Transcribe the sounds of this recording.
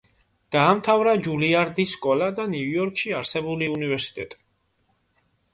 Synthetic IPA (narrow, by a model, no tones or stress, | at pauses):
d̪̥aːmt̪ʰavɾad͡ʒuliaɾd̪isːkʼɔlad̪aniujɔɾkʰʼʃiaɾsɛbuliunivɛɾsi̥t̪ʼɛt̪ʼi̥